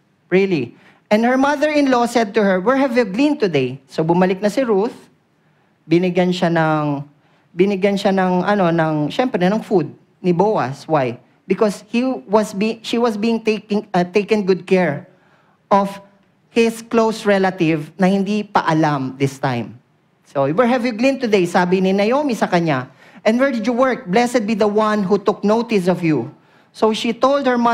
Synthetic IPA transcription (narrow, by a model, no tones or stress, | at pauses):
ɹili | ʔɛn̚hɛɹmɐðəɹɪ̃nlosɛd̪̚t̪ʊhɛɹwɪɹhɛvjuɡlĩnt̪ʊd̪ejsobʊmɐlɪk̚nɐsɪɹuθ | bɪnɪɡjanʃanɐŋ | bɪnɪɡjɐnʃanɐŋʔɐno̞nɐŋʃɛmpɾɛnɐŋfud̪̚ | nɪbowɐ̰swaj | bɪkoshiwɐsbiʃiwɐsbiːɪ̃ŋt̪ekɪŋt̪ejkɛ̃nɡʊd̪̚kɛɹ | ʔɔv̥ | hɪsklowsɹɛlɐt̪ɪvnɐhɪ̃nd̪ipɐ̰ʔɐlamd̪ɪst̪ã̰jm | sowɛɹɦɛvjuɡlĩnt̪ʊd̪ejsaːbɪnɪnɐjomisɐkɐɲa | ʔɛ̃nwɛɹd̪ɪd͡ʒʊwɛɹk̚blɛsɛd̪̚bid̪ɐwɐ̃nɦut̪ʊk̚nowt̪ɪsɔvju | sowʃit̪old̪̚hə˞mɐ